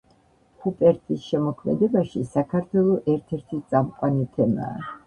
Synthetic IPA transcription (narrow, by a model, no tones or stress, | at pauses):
hupʼɛɾt̪ʰisʃɛmɔkʰmɛ̰d̪ɛbaʃisakʰaɾt̪ʰwɛlˠɔʔɛɾt̪ʰɛɾt̪ʰist̪sʼamqʼwanit̪ʰɛma̰ː